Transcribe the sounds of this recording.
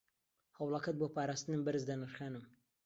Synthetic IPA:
hɐwlˠɐkɐt̪̚boːpaːɾaːst̪ɨnɨmbɐɾɨzd̪ɐnɨɾχaːnɨm

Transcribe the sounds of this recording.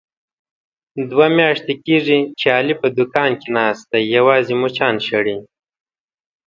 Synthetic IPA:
d̪wamjaːʂt̪ekiːʐit͡ʃeɑːlipəd̪ʊkɑːnkenɑːst̪ajɐwɑːzimut͡ʃɑːnʃɐɽi

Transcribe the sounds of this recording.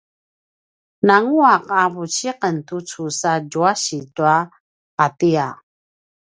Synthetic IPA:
naŋuaqavut͡ɕiqəntut͡susaɟuaɕituaː | tia

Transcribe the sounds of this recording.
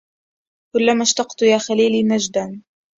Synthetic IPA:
kʊlːamaʃt̪ɑqt̪jaːxaliːliːnad͡ʒd̪an

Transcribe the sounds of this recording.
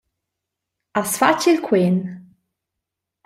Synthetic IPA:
asfat͡ʃilkʰwen

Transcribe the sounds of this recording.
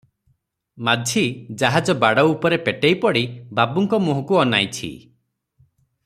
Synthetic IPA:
madʱid͡ʒaɦad͡ʒɔbaɽɔupɔɾepeʈejpɔɽibabuŋkɔmuɦɔkuɔnajt͡ʃʰḭ

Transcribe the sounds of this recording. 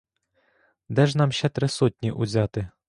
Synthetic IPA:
d̪ɛʒnɑmʃt͡ʃɛt̪ɾɪsɔtʲnʲiʔʊzʲɑt̪ɪ

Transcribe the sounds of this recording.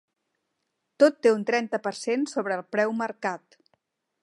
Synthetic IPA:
t̪ot̪ːeunt̪ɾɛnt̪əpərsensoβɾəːlˠpɾɛwməɾkat̪

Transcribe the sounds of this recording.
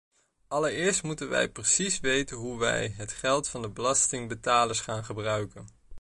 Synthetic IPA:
ɑləɹɪːɹstmutənʋɛ̰jprəsisʋejtənɦuʋɛ̰jɦətχɛlˠtfɑndəbəlɑstɪŋbətaːləɹsχaːnχəbrœɥkən

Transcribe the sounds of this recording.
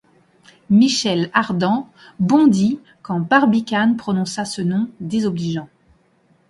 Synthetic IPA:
miʃɛlaʁd̪ɑ̃ | bɔ̃d̪i | kɑ̃baʁbikʲanpχɔnɔ̃sasənɔ̃d̪ezɔbliʒɑ̃

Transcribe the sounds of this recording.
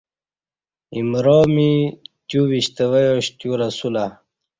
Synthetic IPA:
imɾoːmit̪juwiɕt̪ewejoɕt̪juɾɐsula

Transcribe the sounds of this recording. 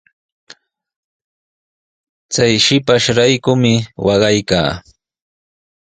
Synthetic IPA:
t͡sajʃɪpaʃɾajkʊmɪwɑɢɑjka̰ː

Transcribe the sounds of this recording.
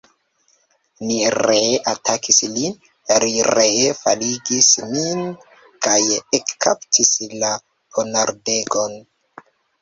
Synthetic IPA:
niɾeatʰakislin | aɾiɾefaliɡismin | kajekːaptʰisla | pʰonaɾdeɡo̞n

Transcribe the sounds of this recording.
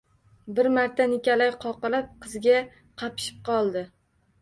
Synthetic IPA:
bɪɾmaɾt̪ʰanɪkʲalajqʰɒqɨlap̚qʰɨzɡʲa | qʰɑpɪ̥ʃɪ̥p̚qʰɒlˠd̪ɪ

